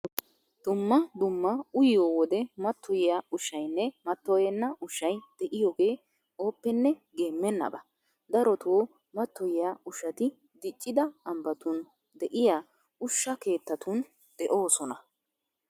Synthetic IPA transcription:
d̪̥ʊmːɐd̪ʊmːɐʊjɪjoːwɔd̪ɛmɐt̪ʰːɔjɪjaʊʃːɐjnːɛmɐt̪ːɔjɛnːɐʔʊʃːɐjd̪̥ɛʔɪjoːɡe̞ː | o̞ːpːɛnːɛɡe̞ːmːɛnːɐ̰bɐ | d̪ɐɾɔt̪oː | mɐt̪ːɔjɪjaʊʃɐt̪ɪ | d̪ɪt͡ʃʼːɪd̪ɐɐmbɐt̪ʊn | d̪ɛʔɪjaː | ʊʃːɐke̞ːt̪ːɐt̪ʊn | d̪̥ɛʔo̞ːsɔnɐ

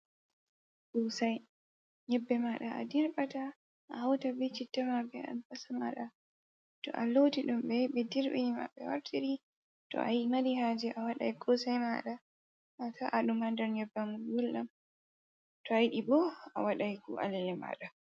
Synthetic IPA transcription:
kusaj | ɲɛbːɛmaɗaa̰diɾɓata | ʔahawtabit͡ʃitːamabɛa̰nfasamaɗa | tɔ̰ʔalotiɗumbɛɓɛdiɾɓḭnima̰ɓːɛwa̰ɾtʰiɾi | tɔ̰ʔajmaɾihaːd͡ʒɛʔawaɗa̰jɡɔsajma̰ɗa | ataʔaɗumandaɾɲɛbːamuɡulʔam | tɔajɗibɔa̰waɗajkṵʔa̰lɛlɛma̰ːɗa

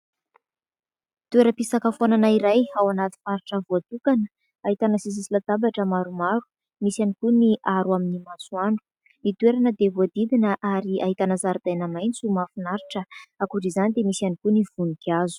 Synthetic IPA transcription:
t̪ueɾəpisakəfonanaiɾajawanat̪i̥faɾiʈ͡ʂəvoat̪ukanə | aɦit̪anəsis̬isilat̪abaʈ͡ʂəmaɾumaɾu̥ | misanikuniʔaɾwaminimasuaɳɖ͡ʐu̥ | nit̪weɾanəd̪evoad̪id̪inəʔaɾiaɦit̪anazaɾid̪̥ajnəmajnt͡sumafunaɾiʈ͡ʂəakuɾizanid̪emisianikuniv̥unikiazu̥

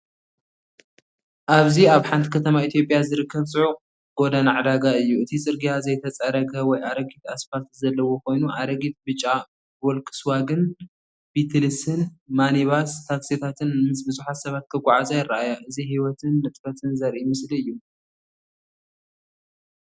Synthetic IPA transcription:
ʔaβziaβħant̪ʰi̥kʰɐt̪ʰɐmait̪ʰijo̞pʼjazɨɾɨkʰːɐβsʼɨʕu | ɡ̥o̞d̪anaʕad̪aɡaɨjːuɨt̪ʰit͡sʼɨɾɡijazɐjt̪ʰɐt͡sʼɐɾɐɡɐwɔjʔaɾɐɡit̪ʰasfaɾt̪zɐlːɐwo̞kʰo̞jnuʔaɾɐɡit̪̚bɨt͡ʃʼːa | bɔlkʰɨ̥swaɡɨn | bit̪ʰlɨsɨnmaniβast̪ʰaksit̪ʰat̪ʰɨnmɨsbɨzuħat̪sɐβat̪̚kʰɐɡʷaʕazajɪrːaʔajaʔɨziɦiwɔt̪ʰɨnːɨt̪ʼfɐt̪ʰɨnzɐɾʔimɨsliɨjːu

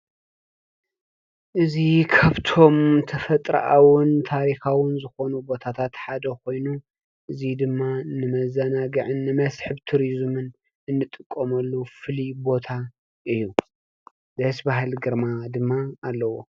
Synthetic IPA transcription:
ʔɨzikʰaβt̪ʰo̞mt̪ʰɐfɐt̪ʼɾɐ̰ʔawʊnt̪ʰaɾixawʊnzɨxo̞nubo̞t̪ʰat̪ʰat̪ħad̪ɐkʰo̞jnu | ʔɨzid̪ɨmːanɨmɐzɐnaɡɨʕɨnːɨmɐsħɨβt̪ʰuɾizmɨn | ɨnːɨt̪ʼɨkʼːomɐlːufɨlibo̞t̪ʰa | ʔɨjːu | d̪ɐsbaɦɨlɡɨɾmad̪ɨmːaːlːɐwo

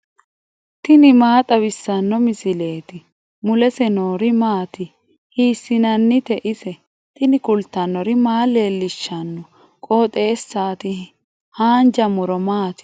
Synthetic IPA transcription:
t̪ɪnɪmaːt̪ʼɐβɪsːɐnːɔmɪsɪle̞ːt̪ɪ | mʊlɛsɛnoːɾɪmaːt̪ɪ | hiːsːɪnɐnːɪt̪ɛʔɪsɛ | t̪ɪnɪkʊlt̪ːɐnːɔɾɪmaːle̞ːlːɪʃːɐnːɔ | kʼoːt̪ʼe̞ːsːaːt̪ɪ | haːnd͡ʒɐmʊɾɔmaːt̪ɪ̥

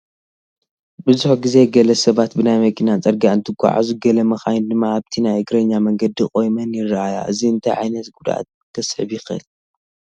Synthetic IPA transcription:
bɨzuħɡize̞ɡɐlɐsɐβat̪bɨnajmɐkʰinat͡sʼɐɾɡaɨnt̪ʰɨɡʷa̰ʕa̰zuɡɐlɐmɐxajnd̪ɨmːaaβt̪ʰinajɨɡɾɐɲːamɐŋɡɐd̪ikʼo̞jmɐnjɪrːɨʔaja̰ʔɨziɨnt̪ʰajʕa̰jnɐt̪ɡud̪a̰t̪ | t̪ʰɐsħβjɪxɨɨ̰l

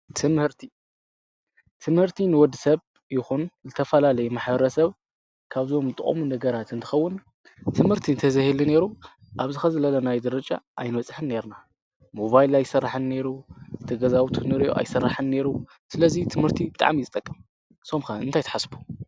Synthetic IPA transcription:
t̪ʰɨmhɨɾt̪ʰi | t̪ʰɨmhɨɾt̪ʰinɨwɔd̪ɨsɐβ | jɪxunzɨt̪ʰɐfɐlalɐjumaħbɐɾɐsɐβ | kʰaβzomt̪ʼɨ̰χʼo̰munɐɡɐɾat̪ɨnt̪ʰɨ̥xɐwːʊn | t̪ʰɨmhɨɾt̪ʰiɨnt̪ʰɐzɐhilɨne̞ɾu | ʔaβzɨxɐzɨlɐlɐnajd̪ɐɾɐt͡ʃʼa̰ʔajnwɐt͡sʼħɨnːe̞ɾna | mo̞βajlajɪsɐrːaħɨnne̞ɾut̪ʰɨɡɐzawut̪ʰunɨɾijoʔa̰jsɐrːaħɨnːe̞ɾu | sɨlɐzit̪ʰɨmhɨɾt̪ʰibɨt̪ʼa̰ʕmjɨt̪ʼɐkʼːɨm | somxɐɨnt̪ʰajt̪ʰḁħasbʰu̥

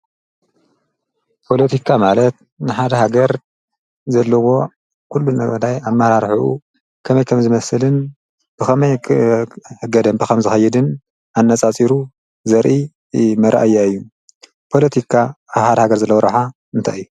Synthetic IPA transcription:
pʰo̞lɐt̪ʰikʰamalɐt̪ | nɨħad̪ɐɦaɡɐɾ | zɐlːɐwo̞ | kʰulːunɐɡɐd̪ajamːɐhɾaɾħuʔṵ | kʰɐmɐjkʰɐmzɨmɐsɨlɨn | b̥ɨxɐmɐj | ɨɡɐd̪ɐmbɨxɐmzɨxɐjːɛd̪ɨn | anːat͡sʼat͡sʼiɾu | zɐɾʔi | mɐɾʔajːaɨjːu | pʰo̞lɐt̪ʰikʰaaβħad̪ɐhaɡɐɾzɐlːɐwɐɾɐħa | ɨnt̪ʰa̰jɨjːu

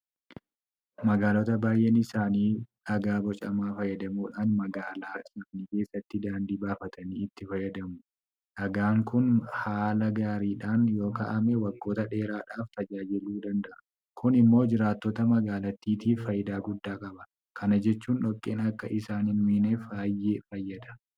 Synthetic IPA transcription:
mɐɡaːloːt̪ɐbaːjʔenɪsaːniː | ɐɡaːbɔt͡ʃʼɐmaːfɐjɐd̪ɐmuːᶑaːnmɐɡaːlaːsɐfniːke̞ːsːɐt̪ːɪd̪aːnd̪iːbaːfɐt̪ɐniːɪt̪ːɪfɐjɐd̪ɐmʊ | ʔɐɡaːŋkʊnhaːlɐɡaːɾiːᶑaːnjo̞ːkɐ̰ʔɐmɛwɐɡːo̞ːt̪ɐᶑe̞ːɾaːᶑaːft̪ɐd͡ʒaːjɪluːd̪ɐnd̪ɐʔɐ | kʊnɪmːo̞ːd͡ʒɪɾaːt̪ːɔt̪ɐmɐɡaːlɐt̪ːiːt̪iːfɐjɪd̪aːɡʊd̪ːaːkʼɐbɐ̥ | kʰɐnɐd͡ʒɛt͡ʃːuːnᶑɔkʼːeːnɐkːɐʔɪsaːnɪnmiːnefaːjːeːfɐjːɐd̪ɐ̥

